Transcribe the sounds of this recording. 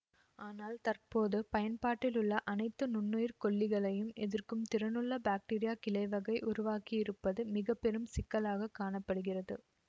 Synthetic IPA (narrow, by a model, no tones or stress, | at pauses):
aːnaːlt̪ɐrpoːðɯpɐjɐnpaːʈːɪlɯɭːɐʔɐnɐɪt̪ːɯnʊnːujɪɾkɔɭːɪɣɐɭɐjɯmɛðɪrkɯmt̪ɪɾɐnɯɭːɐbaːk̚ʈiːɾɪjaːkɪlɐɪʋɐɣɐɪʔʊɾʊʋaːkijɪɾɯpːɐðɯmɪɣɐpːɛɾɯmsɪkːɐlaːɣɐkːaːɳɐpːɐɽɯɣɪrɐðɯ̰